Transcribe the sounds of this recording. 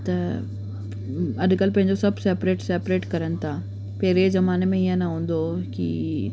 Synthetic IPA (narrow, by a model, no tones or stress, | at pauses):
t̪ɐ | ɐɗkəlpɐ̃ɦɪ̃ɲd͡ʑosɐbsɛːpɾeːʈsɛːpɾeːʈkɐɾənɪ̆t̪ʰaː | pɛɦɪɾezɐmaːnemẽiə̃nɐɦũːnd̪okḭ